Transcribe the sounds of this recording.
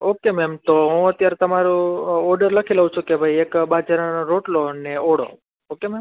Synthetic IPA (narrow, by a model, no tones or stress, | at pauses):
okemɛmt̪oɦũət̪jaɾet̪əmaɾuɔɾɖəɾləkʰiləɦũt͡ʃʰũkebʱajekbad͡ʒaɾnɾoʈloneoɽo̰ | okemɛm